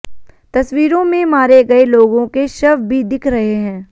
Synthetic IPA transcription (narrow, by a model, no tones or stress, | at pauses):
t̪ɐswiːɾõmẽmaːɾeɡɐeloːɡõkeʃɐʋbʱid̪ɪkʰɾɐɦeɦɛ̃ː